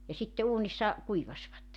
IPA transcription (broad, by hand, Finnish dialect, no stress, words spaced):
jɑ sitːe uːnisːɑ kuiʋɑsʲʋɑtːe